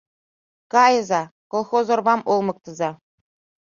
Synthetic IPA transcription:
kɑjɤ̆zɑkolˠχozɤ̆rbɑmolˠmɤ̆k̚t̪ɤ̆zɑ

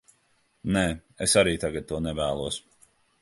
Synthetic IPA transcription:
nɛː | esaɾiːt̪aɡad̪̚t̪uɔnɛvæːlˠuɔs

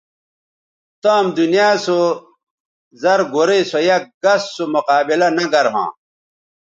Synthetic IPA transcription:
t̪aːmd̪unijaːso | zɐɾɡoɾesojɐk̚ɡɐsːomuqaːbilɐnɐɡɐɾɦã̰ː

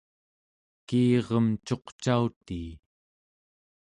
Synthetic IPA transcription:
kiːʁʌmt͡ʃo̞qt͡ʃaut̪iː

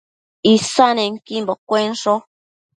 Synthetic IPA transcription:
isaneŋ̩kimbɔkwensɔ

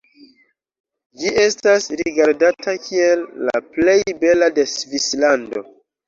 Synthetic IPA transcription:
d͡ʒiʔe̞stasɾiɡaɾdatʰakʰielːa̰ple̞jbe̞lade̞svislando̞̰

